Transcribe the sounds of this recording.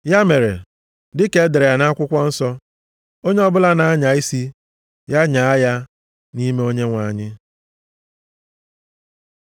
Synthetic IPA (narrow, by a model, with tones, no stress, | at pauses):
ja˦me˨ɾḛ˨ | dɪ˦ke˨˦de˨ɾe˨ja˨na˦kʷʊ˦kʷɔ˦n̩˦sɔ˦ | o˦ɲe˦ɔ˦bʊ˦la˦na˨a˦ɲa˨i˦si˦ | ja˦ɲa˨a˦ja˦ | ni˦me˦o˦ɲe˦ŋʷa˨ɲɪ˦